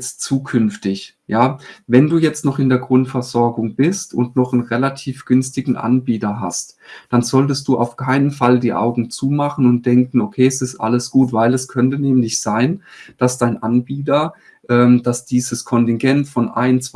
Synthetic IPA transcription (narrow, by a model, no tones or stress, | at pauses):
t͡st͡suːkʰʏnftɪç | jaːvɛnduːjɛt͡stnɔχɪndeːɐɡʁʊntfɛɐzɔɐɡʊŋbɪstʊ̰ntnɔχənʁelatʰiːfɡ̥ʏnstɪɡŋ̩ʔa̰nbiːtɐɦa̰st | d̥anzɔltəst̚d̥uːʔa̰ʊfkʰaɪnənfaldiːʔa̰ʊɡŋ̩t͡suːmaχn̩ʊnt̚d̥ɛŋkŋ̩okʰeːɛsɪstʔa̰ləsɡ̥uːtv̥aɪlɛskʰœntənɛːmlɪçz̥aɪnd̥asd̥aɪnʔanbiːtɐ | ʔɛːmd̥asd̥iːzəskʰɔntɪŋɡɛntfɔnʔa̰ɪnt͡s